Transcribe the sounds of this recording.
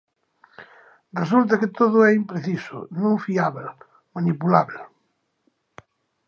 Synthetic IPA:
rresult̪̬akɪt̪oðʊɛimpɾeθisʊ̰nõŋfiaβel | manipulaβel

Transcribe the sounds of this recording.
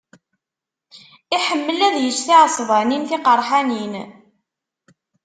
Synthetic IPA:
iħəmːəlæðjət͡ʃːθiʕəsˤvæninθɪqəɾˤħanin

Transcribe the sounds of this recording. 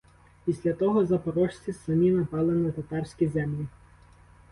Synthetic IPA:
pʲisʲlʲɐt̪ɔɦɔzɐpɔɾɔʃt͡sʲisɐmʲinɐpɑlˠɪnɐt̪ɐt̪ɑrsʲkʲizɛmlʲi

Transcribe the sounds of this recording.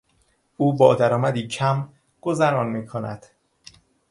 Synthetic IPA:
uːbɒːd̪æɾɒːmæd̪iːcʰæm | ɡ̥ozæɾɒːnmiːkʰonæ̰d̪̥

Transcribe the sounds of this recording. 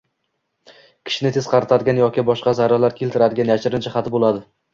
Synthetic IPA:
kʲʰɪ̥ʃɪnɪt̪ʰe̞z̥qʰɑɾɪt̪ʰad̪ɪɡʲanjɒkʲɪbɒʃqɑzaɾalaɾkʲʰelt̪ʰɪɾad̪ɪɡʲanjaʃɪɾɪnt͡ʃʰaχat̪bolˠad̪ɪ

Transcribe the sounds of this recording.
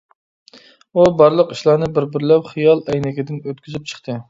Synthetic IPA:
ubɑɾlˠəqiʃlˠɑːnɨbɪɾbɪɾlɛpχijɑlˠɛjnɪkʲɪd̪ɪnøt̪̚kʲʰyzyp̚t͡ʃʰə̥χt̪ɨ

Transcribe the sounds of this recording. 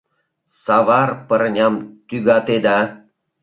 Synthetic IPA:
sɑʋɑrpəɾnʲɑmt̪yɡɑt̪ed̪ɑ

